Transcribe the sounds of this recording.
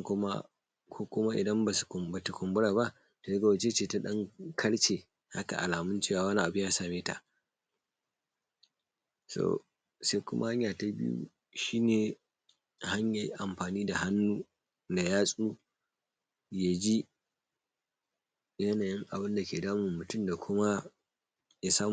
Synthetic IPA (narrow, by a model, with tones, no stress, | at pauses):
kʊ˦ma̰˦ | kʰʷoː˦kʷʊ˦ma˦ʔɪ̰˨dɐ˦mba˨sba˨ta˨kʷʊ˨mbʊ˦ɽaː˨ba˦ʔ | toː˨ja˦ɡa˨wa˨t͡ʃeː˦t͡ʃeː˦ta˦ɗɐ˦ŋkʰɐ˦ɽt͡ʃeː˨ | ha˦ka̰˨ʔa̰˨laː˨mʊ˦nt͡ʃe˦waː˨wɐ˦na˦ʔa˨bʊ˦jaː˦saː˨meː˦ta̰˨ʔ | so̰˨ | se˦kʷʊ˦mʔa̰˦ha˦ɲjaː˨ta˦bɪ̰˦jṵ˦ | ʃiː˦neː˨ | ha˦ɲja˦˨ʔa˨mɸaː˨niː˦da˨ha˦nːuː˦ | da˨jaː˦sʼuː˦ | ja˨d͡ʒi˦ | jɐ˦naː˨jɪ˦ŋʔa˨bɪ˦nda˨kʲeː˨daː˦mu˨mʊ˨tʊ˦mda˨kʷʰʊ˦ma˦ | ja˨saː˦